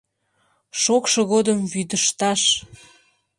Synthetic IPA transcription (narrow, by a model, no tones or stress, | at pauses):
ʃokʃoɣod̪əmvyd̪əʃt̪ɑʃ